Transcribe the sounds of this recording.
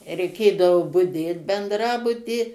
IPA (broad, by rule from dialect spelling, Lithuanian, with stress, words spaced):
rʲɛɪˈkʲeːdɐʋoː bʊˈdʲeːt bʲɛndˈrɑːbʊtʲiː